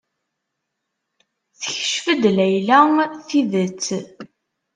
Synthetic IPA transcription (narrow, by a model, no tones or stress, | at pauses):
θəçə̥ʃfəd̪læjlæŋθiðət͡sː